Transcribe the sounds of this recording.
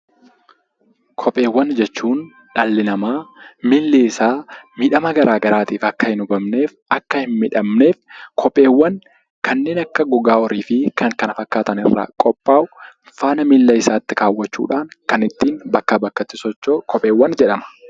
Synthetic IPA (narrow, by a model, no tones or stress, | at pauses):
kʰɔpʼːe̞ːwːɐnd͡ʒɛt͡ʃːuːn | ᶑɐlːɪnɐmaːmɪlːɪɪsaːmɪᶑɐmɐɡɐɾʔaːɡɐɾaːt̪iːfɐkːɐhɪnʊbɐmne̞ːf | ɐkːɐhɪnmɪᶑɐmne̞ːfkʰɔpʼːe̞ːwːɐn | kʰɐnːe̞ːnɐkːɐɡʊɡaːɔɾiːfɪkɐŋkɐnɐfɐkːaːt̪ɐnɪ̰rːa̰ːkʼɔpʼːaːʔʊ | faːnɐmɪlːɐɪsaːt̪ːɪkaːwːɐt͡ʃːṵːᶑaːŋkɐnɪt̪ːiːnbɐkːaːbɐkːɐt̪ːɪsɔt͡ʃːoːkʰɔpʼe̞ːwːɐnd͡ʒɛᶑɐmɐ̥